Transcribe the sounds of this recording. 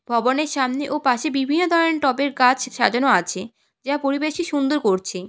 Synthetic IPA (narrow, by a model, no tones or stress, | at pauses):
bʱɔboneɾʃamneʔopaʃebibʱinːod̪ʱɔɾoeɾʈɔpeɾkat͡ɕʰʃa̰d͡ʑonoat͡ɕʰe | d͡ʑapoɾibeʃiʃund̪oɾkoɾt͡ɕʰe